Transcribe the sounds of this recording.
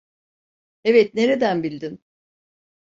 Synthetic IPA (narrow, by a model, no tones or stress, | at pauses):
evɛt̪ne̞ɾe̞d̪ænbilʲd̪in